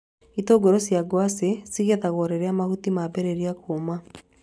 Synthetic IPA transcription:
itoɡɔɾɔsjaɡwasesiɣeðaɣɔɾeɾɛamahutimabɛɾeɾiakoma

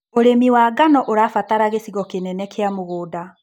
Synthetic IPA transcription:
oɾemiwaɡanɔʔoɾafataɾaɣesiɣɔkenɛnɛkeamoɣoːda

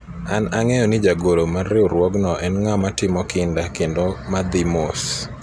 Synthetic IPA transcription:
anaŋɛjɔnɪd͡ʒaɡolomarɪoɾwɔɡnɔʔɛnŋamatɪmɔkɪndakendomad̪ɪmos

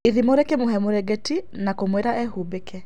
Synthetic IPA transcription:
iðimoɾekemoɦɛmoɾɛɡɛti | nakomweɾaʔɛhubekɛ

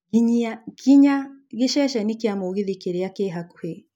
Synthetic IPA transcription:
kiɲakiɲaɣeʃɛʃɛnikjamoɣiðikeɾeakeɦaku̥he

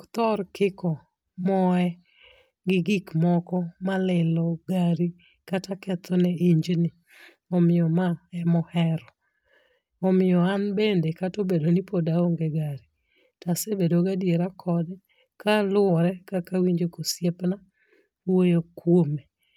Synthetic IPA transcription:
kt̪ɔrkɪkɔ | mɔɛ | ɡɪɡikmɔkɔmalɪlɔɡaɾi | katakɛt̪ʰɔnɛiɲd͡ʒnɪ | ɔmɪɔmaɛmɔhɛɾɔ | ɔmɪɔanbendekatobedonɪpodaoŋɡeɡaɾi | tasebedoɡadjeɾakʰɔdɛ | kalʊɔɾɛkakawiɲd͡ʒekosjepna | wojokwome

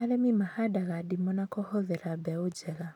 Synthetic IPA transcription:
aɾɛmimahadaɣaɗimɔnakɔhɔðɛɾabɛud͡ʒɛɣa

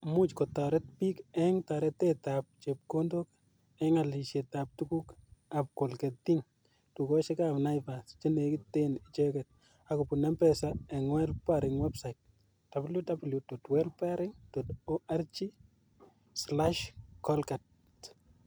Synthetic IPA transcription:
mut͡ʃkotaɾɛt̚pikɛŋtaɾɛtɛtap̚t͡ʃep̚kondok | ɛŋaliʃetap̚tukukap̚kolkɛttiŋ | tukɔʃɪkapnajpast͡ʃɪnekɪtenɪt͡ʃɛkɛt̚ | akopunɛmpɛsaɛŋwɛlpaɾɪŋwɛbsajt̚ | d̥abljudabljutotwɛlpaɾɪŋtotoʔart͡ʃi | slaʃkɔlkat

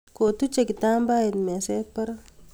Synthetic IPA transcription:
kot̪ut͡ʃekit̪aːmbaːjet̪meseːk̚pɐɾ

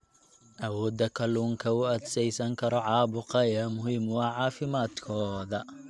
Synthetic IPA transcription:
ʔɐwɔːd̪ɐkʰɐluːŋkʰɐʊɐd̪sɛjsɐŋkʰɐɾɔʕɑːbʊqɐɛmʊɦiːmwɑːʕɑːfɪmaːd̪kʰɔːðɐ

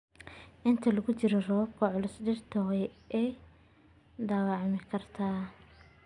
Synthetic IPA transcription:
ʔɪnt̪ʰɐlɐɣʊt͡ʃɪɾɔrɐwɐːb̚kʰɐʕʊlʊsɖɪrt̪ʰɐʁɛjʔɛj | d̪ɐːwɑʕmɪkʰɐrt̪ʰaː

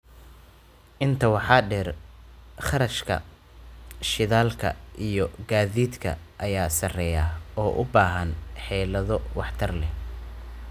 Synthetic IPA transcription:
ʔɪnt̪ʰɐwɑħɑːɖɛr | χɐɾɐʃkʰɐ̰ | ʃɪðaːlkʰɐ̰ʔijɔɡaːðiːd̪kʰɐ̰ʔɐjaːsɐrɛjaːɔːʔʊbaːɦɐnħɛːlɐðɔwɑħt̪ʰɐrlɛ

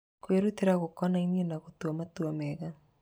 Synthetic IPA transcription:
kweɾuteɾaɣokɔnainienaɣot̪uɔmatuamɛɣa

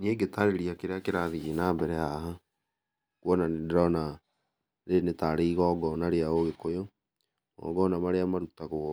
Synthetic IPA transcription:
neɡetaɾeɾiakeɾeakeɾaðiɣenaːmbɛɾɛaɦa | kwɔnanedɾɔna | ɾenetaɾeiɣɔːɡɔnaɾeaoɣekojo | ɔ̰ɡɔnamaɾeamaɾutaɣo

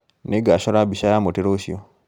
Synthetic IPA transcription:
neɡaʃoɾabiʃajamoteɾoʃio

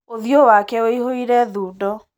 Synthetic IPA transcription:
oðjowakɛoihoiɾɛðuːdɔ

